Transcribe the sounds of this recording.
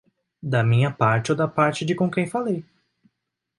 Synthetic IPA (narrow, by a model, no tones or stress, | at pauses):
d̪ɐmĩɲɐpaɾt͡ʃɪod̪ɐpaɾt͡ʃɪd͡ʒɪkõkẽj̃falej